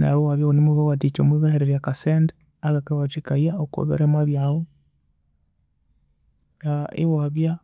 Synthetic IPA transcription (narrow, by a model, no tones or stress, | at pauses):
na̰βowaβjaonimuβawatit͡ʃomwiβaheɾeɾjakasende | aɣakawat͡ʃikaiaoko̰βḛɾemaβjawo | jaḛwaβja